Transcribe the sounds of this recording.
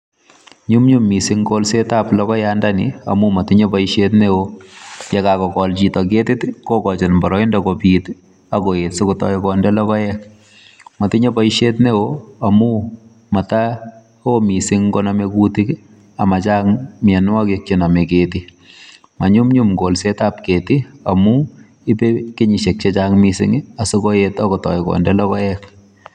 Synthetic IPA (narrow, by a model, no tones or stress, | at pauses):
ɲumɲumːisɪŋkolsetaplɔkɔjandanḭa̰mumatɪɲopaiʃetnewojɛkakɔkɔlt͡ʃitɔk̬etɪtkokɔt͡ʃenmbɔɾɔindakopiːt | akoetsʊkutɔ̰jkɔndɛlɔkɔjɛk | matɪɲopaiʃetnewoamu | mata | omisɪŋkɔnamekutik | amat͡ʃaŋmjɛnakek̚t͡ʃenamekeːti | maɲumɲumɡolsetapkeːtia̰mu | ipekeɲiʃek̚t͡ʃet͡ʃaŋmisɪ̰ŋasʊkoetakɔtɔ̰jikɔ̰ndɛlɔkɔjɛk